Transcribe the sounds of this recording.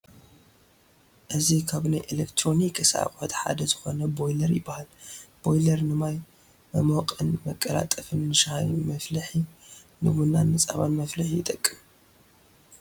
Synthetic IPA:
ʔɨzikʰaβnajʔelekt̪ʰɾo̞nikʰːɨsa̰kʼot̪ħa̰d̪ɐzɨxo̞nɐbo̞jlɐɾjɪbːahalb̥o̞jlɐɾnɨmaj | mɐmokʼɨnmɐkʼːɐla̰t̪ʼːɐfɨnːɨʃahajmɐflɐħi | nɨwunːanːɨt͡sʼaβanmɐflɨħijɪt̪ʼɐkʼːɨm

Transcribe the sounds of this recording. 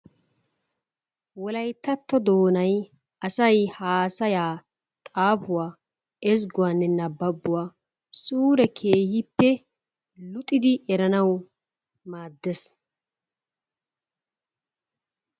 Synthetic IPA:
wɔlɐjt̪ːɐt̪ːɔd̪oːnɐj | ɐsɐjhaːsɐjaː | t̪ʼaːpʊwaː | ɛs̬ɡʊwanːɛnɐbːɐbːʊwaː | suːɾɛkʰeːhɪpːɛ | lʊt̪ʼɪd̪ɪʔɛɾɐnɐw | maːd̪ːɛs

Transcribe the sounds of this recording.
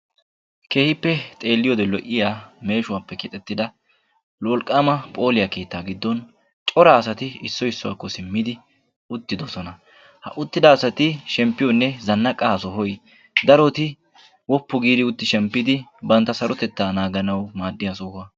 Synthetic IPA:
ke̞ːhɪpːɛt̪ʼe̞ːlːɪjɔd̪ɛlɔʔɪjaːme̞ːʃʊwaːpːɛkɪt̪ʼɛt̪ːɪd̪ɐ | lwɔlkʼːaːmɐpʼo̞ːlɪjɐke̞ːt̪ːaːɡɪd̪ːɔn | t͡ʃʼɔɾaːsɐt̪ɪɪsːɔɪsːʊwa̰ːkːɔsɪmːɪd̪ɪ | ʊt̪ːɪd̪ɔsɔnɐ | hɐ̰ʔʊt̪ːɪd̪ɐːsɐt̪ɪʃɛmpːɪjɔnːɛzɐnːɐkʼːɐɐsɔhɔj | d̪ɐɾɔt̪ɪ | wɔpːʊɡiːd̪ɪʊt̪ːɪʃɛmpːɪd̪ɪbɐnt̪ːɐsɐɾɔt̪ɛt̪ːaːnaːɡɐnɐwmaːd̪ːɪjasʊhɐ

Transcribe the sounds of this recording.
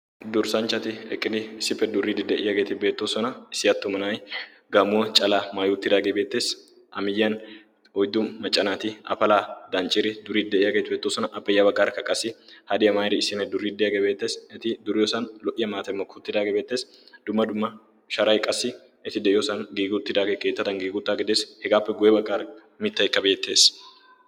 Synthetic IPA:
d̪ʊɾsɐnt͡ʃːɐt̪ɪɛkʼːɪnɪɪsːɪpːɛd̪ʊɾːiːd̪ɪd̪ɛʔɪjɐɡet̪ɪbe̞ːt̪ːoːsɔnɐɪsːɪjɐt̪ːʊmɐnaːj | ɡɐmʊwɐt͡ʃʼɐlaːmaːjʊt̪ːɪd̪aːɡebe̞ːt̪ːe̞ːs | ʔɐmɪjːɐn | ɔjd̪ʊmmɐt͡ʃʼːɐnaːt̪ɪɐ̰fɐlaːd̪ɐnt͡ʃʼɪɾɪd̪ʊɾiːd̪ɛʔɪjɐɡet̪ɪbeːt̪ːoːsɔnɐʔɐbpːɛjːabɐkʼːaɾkɐkʼːɐsɪhɐd̪ɪjɐmaːjɾɪɪsɪnɐɛd̪ʊɾiːd̪ɛjɐɡɛbe̞ːt̪ːeːsɛt̪ɪd̪ʊɾɪjɔsɐnlɔʔɪjɐmaːt̪ɛmːɔkːʊʊt̪ːɪd̪aːɡebe̞ːt̪ːe̞ːsd̪̥ʊmːɐd̪ʊmːɐ | ʃɐɾɐjkʼɐsːɪ | ɛt̪ɪd̪ɛʔɪjɔsɐnɡiːɡʊt̪ːɪd̪aːɡekeːt̪ːɐt̪ɐŋɡiːɡʊt̪ːaːɡɛd̪eːshɛɡaːpːɛɡʊjɛbɐkʼːaːɾ | mɪt̪ːɐjɪkːɐbe̞ːt̪ːe̞ːs

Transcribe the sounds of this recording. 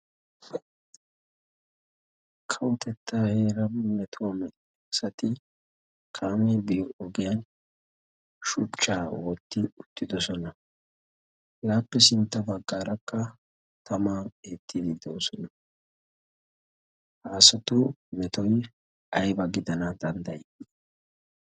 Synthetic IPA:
kʰɐwʊt̪ɛt̪ʰːaːhe̞ːɾɐmɛt̪ʰʊwɐmɛ | sɐt̪ɪ | kʰaːmɛbɪjɔɔɡɪjɐn | ʃʊt͡ʃːaːwɔt̪ːɪʊt̪ːɪd̪ɔsɔnɐ | laːpːɛsɪnt̪ːɐbɐɡːaːɾɐkːɐ | t̪ʰɐmaeːt̪ʰːɪd̪ɪd̪oːsɔnɐ | haːsɔt̪ʊmɛt̪ɔj | ɐjbɐɡɪd̪ɐnɐd̪̥ɐnd̪ɐjɛɪ

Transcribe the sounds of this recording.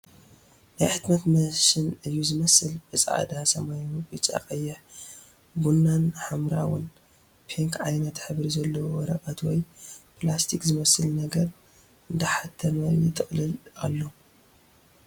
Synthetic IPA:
najħɨt̪nɐt̪mɐʃɪnɨjːuzɨmɐsɨlbɨsʼʕa̰d̪asɐmajfɨt͡ʃʼa̰qʼɐjːɪħ | bunːanħamɾa̰wʊ̰n | pʰeŋkʕajnɐt̪ħɨβɾizɐlːɐwwɔɾɐkʼat̪wɔjplast̪ʰikzɨmɐsɨlnɐɡɐɾ | ɨnd̪ɐħat̪ʰːɐmajɪt̪ʰʼɨχʼlɨla̰lːo

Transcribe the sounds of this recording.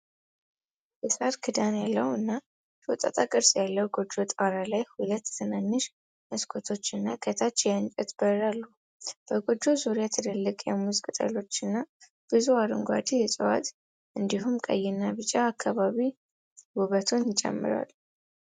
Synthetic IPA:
bɛsʼaɾkʰɨd̪anjalːəwɨnːa | t̪ʰwɔt̪ʼa̰t̪ʼakʼɨɾsʼjalːəwɡod͡ʒo̞t̪ʼaɾalajhulət̪ːʰɨnanːɨʃ | məskʰot̪ʰo̞t͡ʃːɨnːakʰət̪ʰat͡ʃːjɨnt͡ʃʼɛt̪b̥əɾalːu | b̥əɡo̞d͡ʒo̞zoɾjat̪ʰɨd̪əlːɨkʼjɛ̰muzkʼɨt̪ʼə̰lo̞t͡ʃːɨnːa | b̥ɨzuaɾɨŋɡʷa̰d̪ijɛsʼɨwa̰t̪ʼ | ʔɨnd̪iɦumkʼə̰jːɪnːaβɨt͡ʃʼaːkʰːaβaβi | wuβət̪ʰonjɪt͡ʃʼɛ̰mːɨ̰ɾa̰l

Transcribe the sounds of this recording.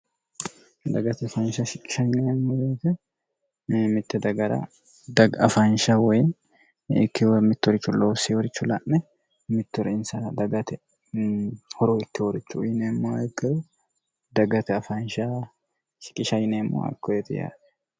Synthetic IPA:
d̪ɐɡɐt̪ɐfɐnʃɐʃɪkʼːɪ̥ʃɐjnemːoːjeːt̪ɛ | mɪt̪ːɛd̪ɐɡɐɾɐ̰ | d̪ɐɡɐfɐnʃawɔj | ɪ̰kːɪmɪt̪ːɔɾɪt͡ʃːʊloːsiwɔɾɪt͡ʃːʊlaʔnɛ | mɪt̪ːʊɾɪnsɐd̪ɐɡɐt̪ɛ | hɔɾoːɪkːɪwɔɾɪt͡ʃːujɪnemːoːɛɡɐ | d̪ɐɡɐt̪ɛɐfɐnʃa | ʃɪ̥kʼːɪʃɐjnemːo̰ːɐ̰kʰːɔjɛt̪ɛ̰ja̰ːᶑɛ̥

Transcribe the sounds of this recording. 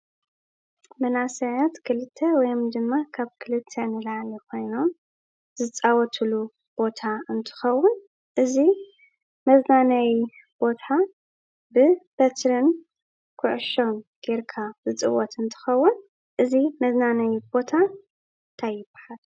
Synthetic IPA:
mɐnasɐʕɐt̪kʰɨlɨt̪ʰːewɔjomd̪ɨmːakʰaβkʰɨlɨt̪ʰːenɨlʕalikʰo̞jno̞m | zɨt͡sʼawɔt̪ʰɨlu | b̥o̞t̪ʰaɨnt̪ʰɨ̥xɐwːʊn | ʔɨzi | mɐznanɐwi | b̥o̞t̪ʰa | bɨb̥ɐt̪ɾɨn | kʰʊʕʊʃomɡ̥eɾkʰazɨt͡sʼɨ̰wːɔt̪ʰɨnt̪ʰɨ̥xɐwːʊn | ʔɨzimɐznanɐjibo̞t̪ʰa | nt̪ʰajːɪbḁħal

